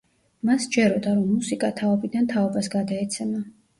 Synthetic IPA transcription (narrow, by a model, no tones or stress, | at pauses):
masd͡ʒɛɾɔd̪aɾɔmːusikʼat̪ʰaɔbid̪ant̪ʰaɔbasɡad̪aɛt̪sʰɛma